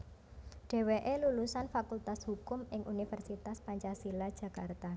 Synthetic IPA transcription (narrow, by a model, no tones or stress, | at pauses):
ɖ̥e̤weʔelulusanfakult̪ashukʊmɪŋʔunifɛrsit̪aspaɲt͡ʃasilad̥ʒ̥ä̤kart̪a